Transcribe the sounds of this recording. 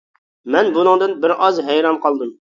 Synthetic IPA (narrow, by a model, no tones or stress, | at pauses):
mɛnbunɨŋd̪ɨnbɪɾɑzɦɛjɾɑnqʰɑlˠd̪ɨm